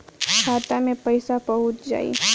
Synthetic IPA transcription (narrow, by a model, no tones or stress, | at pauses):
kʰaːt̪amẽpəɪsapəɦʊt̪d͡ʒa̰ːḭ